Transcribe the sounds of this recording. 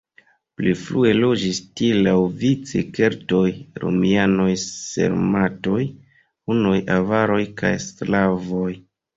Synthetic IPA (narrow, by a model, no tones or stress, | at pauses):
pliflue̞lo̞d͡ʒistilawvit͡sḛke̞ɾto̞jɾo̰miano̞jse̞̰ɾmato̞j | unojʔavaɾo̞jka̰jslavo̞j